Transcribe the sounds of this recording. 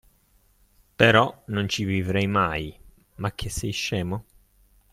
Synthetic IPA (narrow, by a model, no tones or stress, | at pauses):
peɾɔnont͡ʃivivɾɛjmaj | mak̟ʰːesːɛjʃːɛːmo